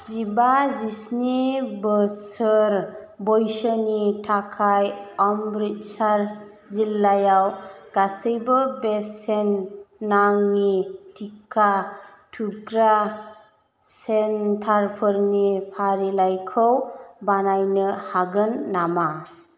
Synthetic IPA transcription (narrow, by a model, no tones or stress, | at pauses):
z̥ibazisnibəsɯɾ | bɔjsənitʰakʰajɔmbɾit̚saɾ | zilːajawɡ̥asɯjbɯbesenːaŋnitʰikʰa | tʰuɡɾa | sentʰaɾpʰɯɾnipʰaɾilajkʰɯwbanajnɯhaɡɯnːama